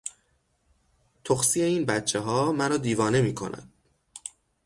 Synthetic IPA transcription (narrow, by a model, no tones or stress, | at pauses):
t̪ʰoxsiːe̞iːnbæt̪t͡ʃʰeɦɒːmæɾɒːd̪iːvɒːne̞miːkʰo̞̰næ̰d̪̥